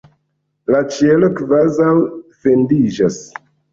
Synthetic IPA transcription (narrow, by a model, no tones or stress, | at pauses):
lat͡ʃielo̞kvazawfe̞ndid͡ʒas